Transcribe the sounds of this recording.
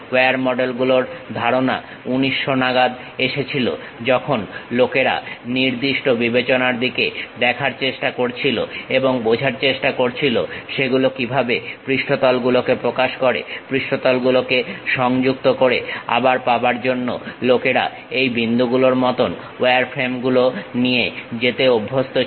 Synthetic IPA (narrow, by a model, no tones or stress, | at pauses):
weaɾmɔɖelɡuloɾd̪ʱaɾona̰ | uniʃːonaɡad̪ | eʃet͡ɕʰilo̰ | d͡ʑɔkʰonlokeɾa̰niɾd̪iʃʈobibet͡ɕonaɾd̪iked̪ɛkʰaɾt͡ɕeʃʈakoɾt͡ɕʰilo̰eboŋbod͡ʑʱaɾt͡ɕeʃʈakoɾt͡ɕʰilo̰ʃeɡulokibʱabepɾiʃʈʰot̪ɔlɡulokepɾokaʃkoɾḛpɾiʃʈʰot̪ɔlɡulokeʃɔŋd͡ʑuk̚t̪okoɾea̰baɾpabaɾd͡ʑonːo̰lokeɾa̰ | ejbind̪uɡuloɾmɔt̪on | weaɾfʰɾemɡulonijed͡ʑet̪eobʱːost̪o